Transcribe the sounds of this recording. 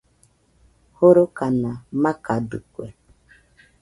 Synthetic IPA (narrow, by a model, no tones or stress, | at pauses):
hoɾokanamakadṵkʷḛ